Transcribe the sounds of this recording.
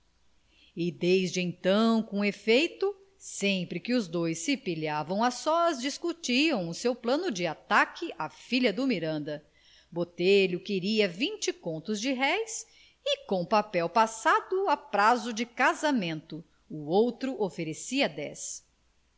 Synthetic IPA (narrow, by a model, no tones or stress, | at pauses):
ɪd̪ejzd͡ʒɪẽt̪ɐ̃w̃kõefejt̪ʊ | sẽmpɾɪkɪʊzd̪ojsːɪpiʎavɐ̃w̃asɔzd͡ʒiskut͡ʃiɐ̃w̃ʊsewplɐ̃nʊd͡ʒɪat̪akɪʔafiʎɐd̪ʊmiɾɐ̃nd̪ɐ | bot̪eʎʊkɪɾiɐvĩt͡ʃɪkõnt̪ʊzd͡ʒɪɦɛjs | ɪkõw̃papɛwpasad̪ʊapɾazʊd͡ʒɪkazamẽnt̪ʊː | owt̪ɾʊʔofeɾesiɐd̪ɛs